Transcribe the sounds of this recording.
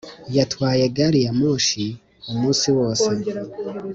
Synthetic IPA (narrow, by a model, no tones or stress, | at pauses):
jatwaːje̞ɡaɾijamoːʃi | umuːsiwo̞ːse